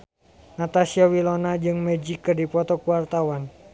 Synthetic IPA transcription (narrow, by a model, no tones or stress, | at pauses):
nat̪asiawilɔnad͡ʒɨŋmɛd͡ʒikːɨrdipɔt̪ɔkuwart̪awan